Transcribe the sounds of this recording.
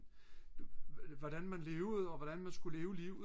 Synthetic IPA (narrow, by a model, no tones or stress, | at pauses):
ʋɒɾ̥ænmænle̝ːʊɒ̽ʋɒd̥ænmænsɡ̥ule̝ːʊəliʊ